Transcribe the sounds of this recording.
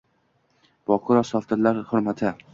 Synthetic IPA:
b̥ɒqʰʊɾɒsɒft̪ʰɪɾlaɾhʊɾmat̪ʰɪ

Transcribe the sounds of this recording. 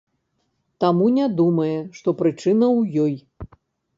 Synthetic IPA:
t̪amunʲad̪umɐjɛʂt̪ɔpɾɨt͡ʂɨnɐwjɔj

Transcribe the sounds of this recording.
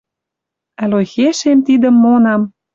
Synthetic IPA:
ælojxeʃemt̪id̪ə̆mːonɑm

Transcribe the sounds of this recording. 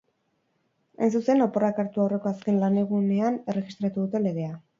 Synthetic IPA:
ejnsuse̞no̞po̞rakaɾt̪uawre̞ko̞aske̞nlane̞ɣ̞une̞ane̞re̞ɣist̪ɾat̪uðut̪e̞le̞ðe̞a

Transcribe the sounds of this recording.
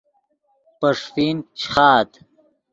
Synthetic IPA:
pɐʂfiːnt͡ɕʰχaːt̪

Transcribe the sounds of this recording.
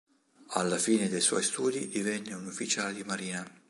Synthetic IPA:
alːafiːned̪ejswɔ̰jst̪uːd̪id̪ivɛnːeunufːit͡ʃaːled̪imaɾiːna

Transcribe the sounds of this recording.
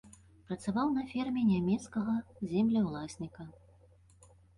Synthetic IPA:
pɾɐt̪savawnɐfʲɛrmʲɛnʲamʲɛt̪skɐɣɐzʲɛmlʲɐwlˠasʲnʲikɐ

